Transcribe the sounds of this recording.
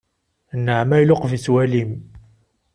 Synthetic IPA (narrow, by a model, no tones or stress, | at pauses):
nːəʕmæjlʊqvit͡sːwælim